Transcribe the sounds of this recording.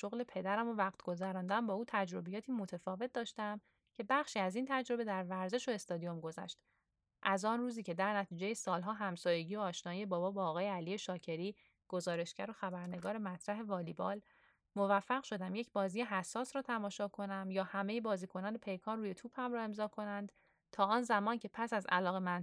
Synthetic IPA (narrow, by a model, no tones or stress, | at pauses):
ʃo̞ɣle̞pʰe̞d̪æɾæmo̞væɣt̪ʰɡ̥o̞zæɾɒːnd̪æmbɒːuːt̪ʰæd͡ʒɾo̞bijɒːt̪ʰiːmo̞t̪ʰe̞fɒːve̞t̪̚d̪ɒːʃt̪æm | cʰe̞bæχʃiːæziːnt̪ʰæd͡ʒɾo̞be̞d̪æɾvæɾze̞ʃo̞e̞st̪ɒːd̪ijo̞mɡo̞zæ̰ʃt̪ | ʔæzɒːnruːziːcʰe̞d̪æɾnæt̪ʰiːd͡ʒe̞jesɒːlɦɒːɦæmsɒːje̞ɟiːo̞ːʃnɒːjijebɒːbɒːbɒːɣɒːjeælije̞ʃɒːcʰe̞ɾiː | ɡ̥ozɒːɾe̞ʃcæɾo̞xæbæɾne̞ɡɒːɾe̞mæt̪ʰɾæɦe̞vɒːlibɒːl | movæfːæɣʃo̞d̪æmje̞cbɒːziːjeɦæsːɒːsɾɒːt̪ʰæmɒːʃɒːkʰo̞næmjɒːhæme̞je̞bɒːziːkʰo̞nɒːne̞pʰe̞jkʰɒːnruːje̞t̪ʰuːphæmɾɒːe̞mzɒːkʰo̞nænd̪̥ | t̪ʰɒːɒːnzæmɒːncʰe̞pʰæsæzæ̰lɒːɣe̞mæn